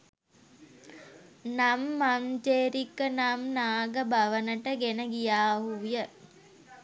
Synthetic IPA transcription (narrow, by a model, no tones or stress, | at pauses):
namːamd͡ʒeːɾikənamnaːɡəbaʋənəʈəɡenəɡijaːɦujə